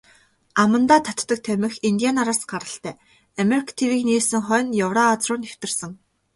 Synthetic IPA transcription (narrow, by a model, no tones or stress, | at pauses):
amə̆nt̪aːt̪ʰat̪ːə̆k̚t̪ʰæmʲɘ̆xint̪ʲianaɾaːsɢaɾə̆ɬt̪æː | ameɾikʰt̪ʰewiːkneːsɘ̆ŋχœːnjawraːt͡srʊːnew̥t̪ɘ̆rsɘ̆ŋ